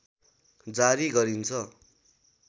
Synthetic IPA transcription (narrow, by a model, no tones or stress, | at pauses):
d͡zaɾiɡʌɾint͡sʰʌ